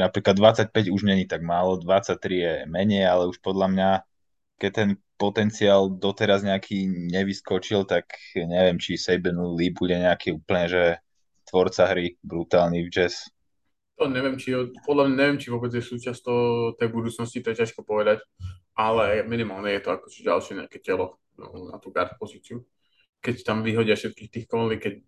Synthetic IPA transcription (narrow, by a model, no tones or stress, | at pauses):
napɾiːklad̪ʋat͡sac̚pɛɟuʒɲɛɲit̪aɡmaːlɔd̪ʋat͡sac̚t̪ɾijɛmɛɲɛjalɛuʃpɔd̪lamɲa | kɛc̚t̪ɛn | pɔt̪ɛnt͡siaːld̪ɔt̪ɛɾazɲɛakʰiɲɛʋiskɔt͡ʃilt̪akɲɛʋɛmt͡ʃisɛjbɛnlib̚uɟɛɲɛakiːuːpl̩ɲɛʒɛ | t̪ʋɔɾt͡saɦɾibɾut̪aːlnivd͡ʒɛs | t̪ɔɲɛʋɛmt͡ʃiɔpɔd̪lamɲaɲɛʋɪɛmt͡ʃiʋʊɔbɛd͡zjɛsuːt͡ʃast̪ɔt̪ɛjbud̪uːt͡snɔscit̪ɔjɛcaʃkɔpɔʋɛd̪acʔalɛminimaːlɲɛjɛt̪ɔakɔ̥ʒ̥ɛɟa̰lʃɛɲɛ̰akɛcɛlɔ | na̰t̪uːɡa̰ɾt̪upɔzit͡sɪu | kɛct̪amʋiɦɔɟɪafʃɛt̪̚kiːxt̪iːxkɔnliːkɛc